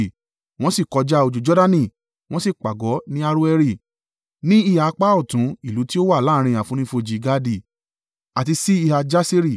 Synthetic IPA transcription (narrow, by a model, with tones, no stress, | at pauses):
w̃ɔ̃˦si˦˨kɔ˨˧d͡ʒa˦o˧d͡ʒu˨d͡ʒɔ˦da˦˧nĩ˦˧˨ | w̃ɔ̃˦si˦˨k͡pa˨ɡɔ˨˦nĩ˦a˧ɾu˦ɛ˧ɾi˧˨ | nĩ˦i˦˨ha˨˧k͡pa˦ɔ˦˨tũ˨˦i˦˨lu˨˦ti˦o˦wa˦˨laː˦˧ɾ̃ĩ˧a˨fũ˨˦ɾ̃ĩ˦fo˧d͡ʒi˨˦ɡa˦di˦˨ | a˨ti˧si˦i˧ha˧d͡ʒa˦se˦ɾi˦˨